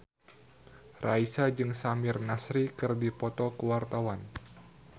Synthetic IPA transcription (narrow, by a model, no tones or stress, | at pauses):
rʔaisad͡ʒɨŋsamɪrnasɾikɨrdipɔt̪ɔkəwart̪awan